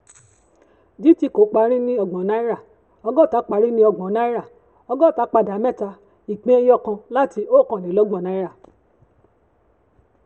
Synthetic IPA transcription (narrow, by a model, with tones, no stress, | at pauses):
di˨˦ti˧˨ko˨˦k͡pa˧˦ɾ̃ĩ˦nĩ˦ɔ˧ɡ͡bɔ̃˨˦nã˦i˦ɾa˦˨ | ɔ˧ɡɔ˦˨ta˨˦k͡pa˨˧˦ɾĩ˦nĩ˦ɔ˧ɡ͡bɔ̃˨˦nã˦i˦ɾa˦˨ | ɔ˧ɡɔ˦˨ta˨˦k͡pa˧˨da˨˦mɛ̃˦˨ta˧ | i˨k͡pẽ˦jɔ˦˨kã˧la˦ti˧˦o˦˨kã˨nĩ˨˦lɔ˨˦ɡ͡bã˦˨nã˨˦i˦ɾa˦˨